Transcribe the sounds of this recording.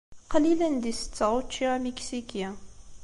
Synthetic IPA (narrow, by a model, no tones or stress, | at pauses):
qɑlilənd̪isə̥t͡sːəʁˤot͡ʃːiʁamiksikjæ